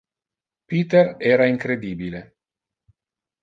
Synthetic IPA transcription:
piːt̪eɾɛːɾaiŋkɾed̪iːbile

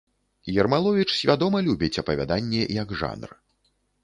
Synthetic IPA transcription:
jɛrmalˠɔvʲit͡ʂsʲvʲad̪ɔmɐlʲubʲit͡sʲɐpɐvʲa̰d̪anʲːɛjɐɡʐa̰nr

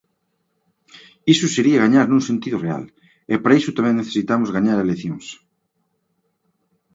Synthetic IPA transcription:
isʊseɾiaɣaɲaɾnũŋsent̪iðʊrea̰l | epaɾaisʊt̪amẽŋneθe̥sit̪amʊzɣaɲaɾeleθjoŋs

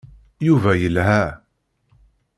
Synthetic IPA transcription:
juvæjəlɦæ

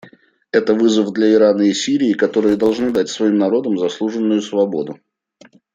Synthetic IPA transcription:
ɛt̪əvɨzəvd̪lʲɐɪɾanəɪsʲiɾʲɪːkɐt̪o̞ɾɨjəd̪ɐlˠʐnɨd̪atʲsvɐimnɐɾo̞d̪əmzɐslˠuʐɨnːʊjʊsvɐbo̞d̪ʊ

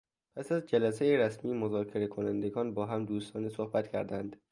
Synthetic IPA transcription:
pʰæsæzd͡ʒælæsejeɾæsmiːmozɒːkʰe̞ɾekʰonænd̪eɡɒːnbɒːɦæmd̪uːst̪ɒːnesohbæt̪cʰæɾd̪ænd̪̥

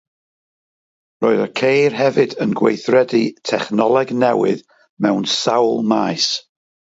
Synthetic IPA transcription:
roːɨðəkʰejrɦɛvɨdənɡwejθrɛditʰɛχnɔlˠɛɡnɛwɨ̰ð | mɛwnsawlˠmaːjs

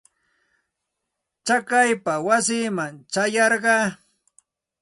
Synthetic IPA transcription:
t͡ʃakajpawasiːmaŋt͡ʃajɑɾɢɑː

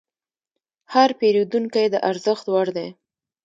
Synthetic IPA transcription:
haɾpeɾid̪uŋkajd̪əʔaɾzəxt̪waɾd̪e

